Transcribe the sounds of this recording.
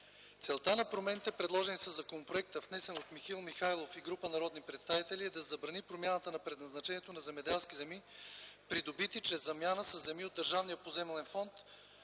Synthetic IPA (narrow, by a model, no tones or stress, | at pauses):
t̪sɛlˠt̪anɐpɾomɛnit̪ɛpɾɛd̪lˠɔʒɛnisɐzːɐkonopɾoɛk̚t̪əfnɛsɛnot̪mixilˠmixajlˠofiɡɾupənɐɾɔd̪nipɾɛt̪st̪avit̪ɛlʲiɛd̪ɐzɐbɾɐnipɾomʲjanət̪ənɐpɾɛd̪nɐznɐt͡ʃɛniɛt̪onɐzɛmɛd̪ɛlˠskizɛmipɾid̪obit̪it͡ʃɾɛzːɐmjanəsɐzːɛmiod̪ːəɾʒavnijəpozɛmɛlɛnfɔnt̪